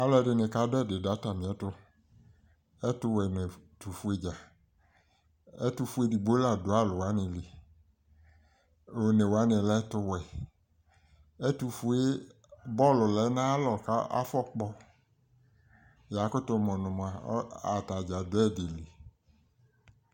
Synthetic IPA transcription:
a˦lɔ˦ɛ˦dɪ˨nɪ˨ka˨˦dɛ˦˨dɪ˨da˨˦ta˨nɪ̃˨ɛ˨˦tʊ˦ | ɛ˦tʊ˧wɛ˨ne˨tu˨fu˦e˨d͡ʒa˨ | ɛ˦tu˧fu˦e˦di˨ɡ͡bo˦la˨dʊ˨˦a˦˨lʊ˨wa˨˦nɪ˨lɪ˨ | o˨ne˨wa˦nɪ˨lɛ˦tʊ˧wɛ˨ | ɛ˦tu˨fu˦e˦ | bɔ˦˨lʊ˨lɛ˨˦na˦lɔ˨ka˦a̰˦fɔ˦k͡pɔ˦ | ja˨˦kʊ˦tʊ˦mɔ˨nʊ̃˨m˨a˨˦a˨ta˨d͡ʒa˨dʊ˦ɛ˦˨dɪ˨lɪ˨

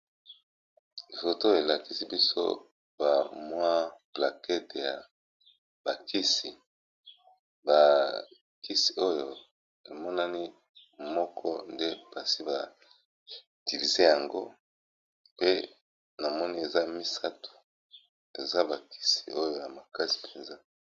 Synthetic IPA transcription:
fo˨to˦e˨la˨ki˦si˦bi˦so̰˦ | ba˨mwa˦pla˨kɛ˦te˨ja˨ | ba˨ki˦si˨ | ba˨ | ki˦si̥˨o˦jo˨ | e˨mɔ˦na˦ni˦ | mɔ˦kʰɔ̰˦nde˦pa˨si˦ba˨ | ti˨vi˨ze˦ja˨ŋɡo̰˦ | pe˦ | na˨mɔ˦ni˦e˨za˦mi˦sa˦tʰo̥˨ | e˨za˦ba˨ki̥˦si˨o˦jo˦˨ja˨ma˨ka˦si̥˨pʰe˨nza˦

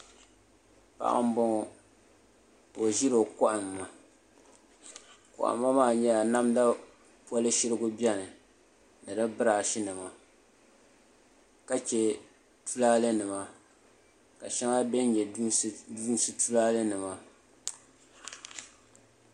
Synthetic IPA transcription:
pa̰˦ʔa̰˦m̩˦bɔ˦ŋɔ˦ | o˨ʒi˦ɾo˨kɔ˦ʔa˨mːa˨ | kɔ̰˨ʔa̰˨mːa˦maː˦˨ɲɛ˦a˨na˦mda˦ | pa˦lɨ˦ʃɪ˦ɾɨ˦ɡʊ˦bʲɛ˦nɨ˨ | nɨ˨dɨ˦bɨ˦ɾaː˨ʃi˦nɨ˨ma˨ | ka˦t͡ʃɛ˨ | tu˦laː˦lɨ˦nɨ˨ma˨ | ka˨ʃɛ˦ŋa˦bɛ˦n˦ɲɛ˨˦du˦n˦˨sɨ˨tu˦laː˦lɨ˦nɨ˨ma˦

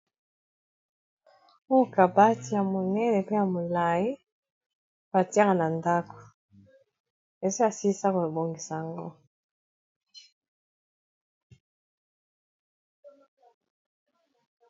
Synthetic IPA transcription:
o˦˨ka˨ba˦ti˨ja˨mo˨nɛ˦le˨pe˦ja˨mo˨la˨ji˦ | b̥a˨ti˦a˦ŋa˨na˨nda˦ko̥˨ | e˨so˦ja˨si˦sa˦ko˨bo˨ŋɡi˨sa˨a˨ŋɡo̰˦

